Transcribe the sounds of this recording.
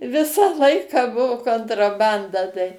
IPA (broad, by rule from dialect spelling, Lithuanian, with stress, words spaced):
ˈʋʲɪsɑː ˈlˠɐɪkɑː ˈbʊʋʊ koːntrɐˈbɐndɐ tɐɪ